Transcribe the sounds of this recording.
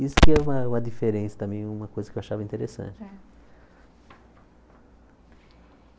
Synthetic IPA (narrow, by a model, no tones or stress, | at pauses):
isʊ̥kɪɛũmɐũmɐd̪ifeɾẽsɐt̪ɐ̃mẽj̃ɛũmɐkojzɐkewaʃavɐĩnt̪eɾesɐ̰̃nt͡ʃɪ